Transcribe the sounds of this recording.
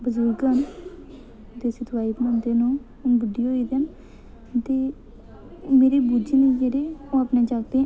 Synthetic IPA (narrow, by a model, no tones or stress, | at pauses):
bəzʊɾɡən | d̪eːsət̪ʋaːiːpnə̃nd̪eːnõː | ʊnbɪɖioːiːd̪ɛːn | t̪eː | meːɾeːbuːd͡ʒiːnĩːkeɾeːõːaːpnẽːd͡ʒaːɡd̪eːɛ̃